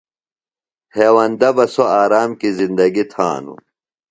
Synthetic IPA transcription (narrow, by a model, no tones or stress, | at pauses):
heːwɐnd̪ɐbɐsoaːɾaːmkizind̪ɐɡit̪ʰa̰ːnṵ